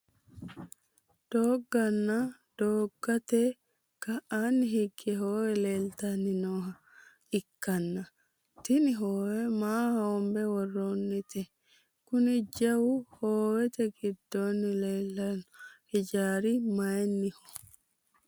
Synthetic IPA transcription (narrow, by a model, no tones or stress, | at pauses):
d̪̥oːɡːɐnːa | d̪̥oːɡːɐt̪e | kɐʔaːnːɪɦɪɡːɛɦoːwɛleːlt̪ɐnːɪnoːɦɐ | ɪkːɐnːɐ | t̪ɪnɪɦoːwɛmaːhɐɔmbɛwɔrːoːnːɪt̪ɛ | kʊnɪd͡ʒɐwʊhoːwɛt̪ɛɡɪd̪ːoːnːɪleːlːɐnhɪd͡ʒaːɾɪmɐjɛnːɪhɔ̥